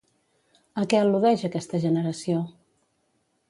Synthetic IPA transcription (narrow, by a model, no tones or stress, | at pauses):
əkɛəluðɛʃəkɛst̪əʒənəɾəsio